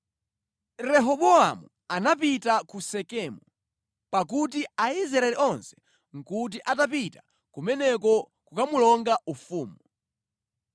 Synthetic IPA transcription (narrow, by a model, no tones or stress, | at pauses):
ɾɛɦɔɓɔamu | anapitakusɛkɛmu | pakut̬iaizɾaɛliɔnsɛ̥ | ŋ̩kut̬iʔatap̬ita | kumɛnɛk̬ɔ | kukamulɔŋɡaufuːmu